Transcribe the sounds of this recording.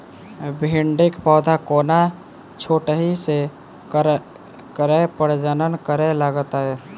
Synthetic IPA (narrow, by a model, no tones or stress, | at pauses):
bʱiɳɖɪkpɔːd̪ʱakoːna | t͡ʃʰoʈəɦise | kəɾepəɾd͡ʒənənkəɾelaɡət̪aɦɛ